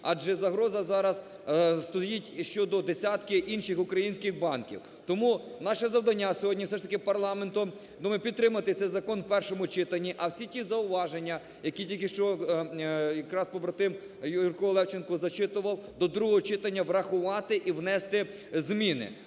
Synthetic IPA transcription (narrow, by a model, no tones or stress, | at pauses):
ɑd͡ʒɛzɐɦɾɔzɐzɑɾɐs | st̪ɔjitʲʃt͡ʃɔd̪ɔd̪esʲat̪kɪʔinʃɪxʊkɾɐjinʲsʲkɪxbɑnkʲḭw | t̪ɔmunɑʃɛzɐwd̪ɐnʲːasʲɔɦɔdʲnʲiwsɛʃt̪ɐkɪpɐrlˠɑment̪ʊ | d̪umɪpʲit̪t̪ːɾɪmɐt̪ɪt̪sɛjzɐkɔnwpɛrʃɔmʊt͡ʃɪt̪ɐnʲːiʔɐwsʲitʲizɐʊʋɑʒenʲːɐ | jɐkʲitʲilʲkɪʃt͡ʃɔ | jɐkɾɑspɔbɾɐt̪ɪm | jurkɔlˠɛwt͡ʃenkɔzɐt͡ʃɪt̪ʊʋɐwˠd̪ɔd̪ɾuɦɔɦɔt͡ʃɪt̪ɐnʲːɐʋɾɐxʊʋɑt̪ɪʔiwnɛst̪ɪ | zmʲinɪ̰